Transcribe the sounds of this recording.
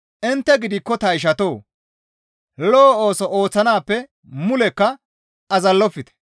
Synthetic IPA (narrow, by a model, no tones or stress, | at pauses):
ʔɪnt̪ːɛɡɪd̪ɪkːɔt̪ɐɪʃ̬ɐt̪o̞ː | loːoːsɔʔo̞ːt͡sːɐnaːpːɛ | mʊlɛkːɐ | ʔɐzɐlːɔfːɪt̪ɛ̥